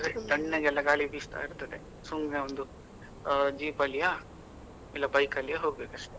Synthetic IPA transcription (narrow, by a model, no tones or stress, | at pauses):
ɐt̪ɐɳːeɡɛlːɐɡaːɭibiːst̪a̰ːiɾt̪ɐd̪e | suŋɡneond̪u | d͡ʒiːpɐlija | ilːɐbɐjkɐlijɐɦoːɡ̚beːkɐʂʈe